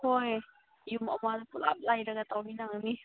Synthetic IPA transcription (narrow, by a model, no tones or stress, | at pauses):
hoj | juma̰madpula̰p̚lajɾaɡat̪awninaŋani